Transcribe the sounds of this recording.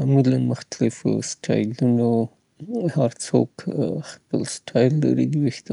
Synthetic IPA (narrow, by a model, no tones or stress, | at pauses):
amilanmʊxt̪alɪfo̰sʈʰɑ̰jluno | haɾt͡so̰kxpəlsʈʰɑjlːa̰ɾid̪iwext̪a